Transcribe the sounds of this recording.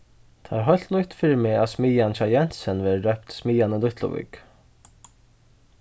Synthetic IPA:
t̪ʰaɾɦɔjl̥t̪nʊjt̪fɪɾmea̰smiːançajɛn̥sənʋeːɾdœpt̪smiːjanəlʊht̪lʊ̰ʋɪ̰k

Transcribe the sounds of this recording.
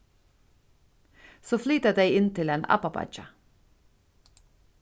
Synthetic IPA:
soːflyːt̪əd̪eɪɪnt̪ʰɪleːnʔɑ̰pɑbɑ̰d͡ʒɑ

